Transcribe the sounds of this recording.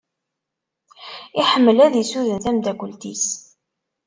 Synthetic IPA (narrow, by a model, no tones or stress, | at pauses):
iħəmːəlæðjisuðənθæmd̪æɡʷəlt̪is